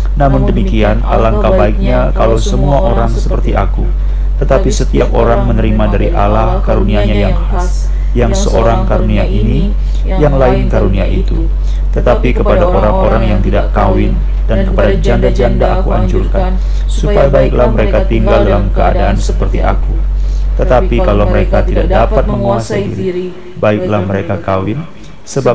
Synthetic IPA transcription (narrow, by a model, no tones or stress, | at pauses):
namʊndəmikianʔa̰laŋkawbaɪk̚ɲakalowsəmuaʔoɾaŋsəpərt̪iʔaku | t̪ət̪apisət̪iap̚oɾaŋmənəɾimadaɾiʔalahkaɾuniaɲajaŋ | a | jaŋsəʔoɾaŋkaɾuniaʔini | jaŋlaɪnkaɾuniaʔit̪u | t̪ət̪apikəpadaʔoɾaŋoɾaŋjaŋt̪idaʔkawɪn | dankə̥padad͡ʒandad͡ʒandaʔakua̰ɲd͡ʒulkan | supajabaɪklahməɾekat̪iŋɡaldalamkəa̰daʔansə̥pərt̪iʔa̰kut̪ət̪apikaloməɾekat̪idaʔ̚dapat̪̚məŋuasəndḭɾii | baɪk̚lahməɾekakawɪn | səba